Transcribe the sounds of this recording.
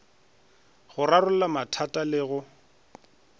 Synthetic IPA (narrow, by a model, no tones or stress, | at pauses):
ɣʊrarʊlamatʰatʼalɪɣʊ